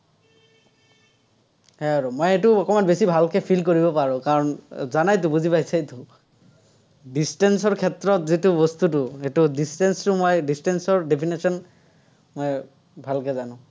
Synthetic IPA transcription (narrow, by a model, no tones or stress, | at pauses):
hɛaɹomojetʊɔkɔmanbesibʱalkɛpʰilkoɹibɔpaɹʊ̃kaɹɔnzanajt̪̬ʊ̃buzipajsajt̪ʊ | distɛnsɔɹkʰɛtɹɔtzitʊbɔst̪utʊetʊdistɛnstʊmojdistɛnsɔɹdepʰinisɔn | moj | bʱalkɛzanʊ̃